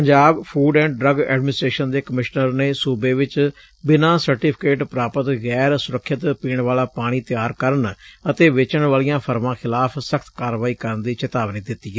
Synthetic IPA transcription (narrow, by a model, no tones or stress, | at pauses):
əɲd͡ʒaːbpʰuːɖɛ̃ːɳɖɖɾəɡɛ̰ːɖmɪnɪsʈɾeːʃənd̪eːkəmɪʃnəɾneːsuːbeːʋɪt͡ʃ | bɪnãːsəɾʈipʰɪ̥keːʈpɾaːpət̪ɣɛːɾsʊɾəkʰːɪt̪piːɳʋaːlaːpaːɽ̃iːt̪ɪjaːɾkəɾəɳət̪eːʋɪt͡ʃəɳʋaːlijãːpʰəɾʋãːxʰɪlaːpʰsəkʰt̪kaːɾʋaːiːkəɾənd̪iːt͡ʃət̪aːʋniːd̪ɪt̪ːiːɦɛː